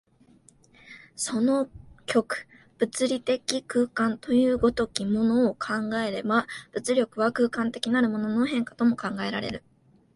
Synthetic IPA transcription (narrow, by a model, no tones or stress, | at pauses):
so̞no̞kʲo̞kɯ̟̥ | b̥ɯ̟t͡sɨɾʲit̪e̞kʲikɯ̟ːkãnt̪o̞jɯ̟ːɡo̞t̪o̞kʲimo̞no̞ːkʰãŋɡae̞ɾe̞bab̥ɯ̟t͡sɨɾʲo̞kɯ̟βakɯ̟ːkãnt̪e̞kʲinaɾɯ̟mo̞no̞no̞ɦẽ̞ŋkḁt̪o̞mo̞kãŋɡae̞ɾa̰ɾe̞̰ɾɯ̟